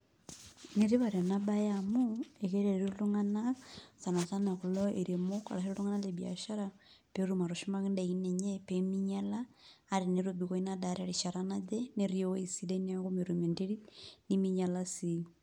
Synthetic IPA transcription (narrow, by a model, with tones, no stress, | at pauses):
ne˦ɾi˦βa˨ɾe˨na˦ba˦jamu˦e˨ke˦ɾe˨ɾeɾlu˦ŋa˦na˦sa˨na˨ta˦na˨ku˨lɔ˦e˨ɾe˨mo˦ka̰˨ɾa˨seɾolu˦ŋa˦na˦le˨bia̰˨ʃa˦ɾa | peɾu˦ma˨ɾo˨ʃu˦ma˦ki˦nda˨i˦ne˨ɲe˦pemiɲa˦laː˦ɾi˨ne˨ɾo˦bi˨ko˦i˦nada˨ɾa˦ɾi˨ʃa˨ɾanad͡ʒe˦ne˦ɾjo˦i˨si˦de˦n˦a˦ko˦me˨ɾume˨nde˦ɾi˦ni˦mi˦ɲa˦la˦si˦